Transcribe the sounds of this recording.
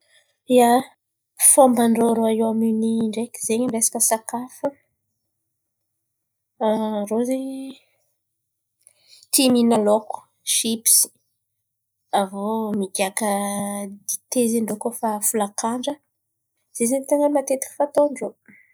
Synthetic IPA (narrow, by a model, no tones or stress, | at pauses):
ia | fombaɳɖ͡ʐoɾoaewaminiɳɖ͡ʐeki̥zeɲamiɾesḁkəsakafə | ɾozeɲ | t̪iminaloku̥ | ʃipsi̥ | avomiɡakəd̪it̪eziɳɖ͡ʐokofafulakaɳɖ͡ʐə | z̥ezaɲt̪aŋamat̪et̪i̥kfat̪oɳɖ͡ʐo